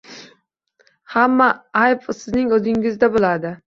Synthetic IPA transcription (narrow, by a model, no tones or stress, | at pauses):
hamːaajpsɪznɪŋɵzɪŋɪzd̪abolˠad̪ɪ